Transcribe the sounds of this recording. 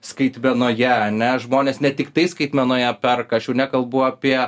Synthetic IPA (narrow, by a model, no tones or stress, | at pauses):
skɐɪt̪ʲmʲɛnoːjɛɐnʲɛʒmoːnʲeːsnʲɛt̪ʲɪkt̪ɐɪskɐɪt̪ʲmʲɛnoːjɛpʲɛrkɐʃʲuːnʲɛkɐlˠbuːɐpʲiɛ